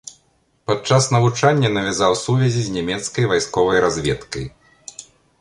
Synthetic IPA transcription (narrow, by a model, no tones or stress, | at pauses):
pad̪̚t͡ʂasnɐvut͡ʂanʲːɐnɐvʲazawsuvʲɛzʲizʲnʲamʲɛt̪skɐjvajskɔvɐjɾazʲvʲɛt̪kɐj